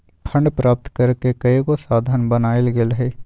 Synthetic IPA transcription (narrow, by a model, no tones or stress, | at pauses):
pʰə̃ɳɖpɾaːp̚t̪kɐɾkekɐekosaːd̪ʱaːnbənaːelɡelɦeː